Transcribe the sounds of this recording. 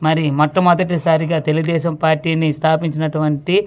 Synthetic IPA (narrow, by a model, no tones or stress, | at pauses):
mɐɾimɔʈːɐmɐd̪ɐʈ̬ːisaːɾiɡaːt̪eluɡud̪ɛːʃɐmpaːɾʈiːnist̪ʰaːpiɲt͡ʃinɐʈuʋɐɳʈi